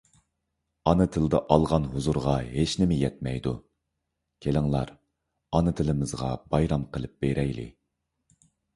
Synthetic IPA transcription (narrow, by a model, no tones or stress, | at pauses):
ɑnɨt̪ʰɨlˠd̪ɨʔɑlˠʁɑnɦuzuɾʁɑɦet͡ʃnɪmɪjɛt̪̚mɛjd̪u | kʲʰelɪŋlˠɑɾ | ɑnɨt̪ʰɨlˠɨmɨzʁɑ̰b̥ɑjɾɑmqʰəlˠɨp̚b̥eɾɛjlɪ̰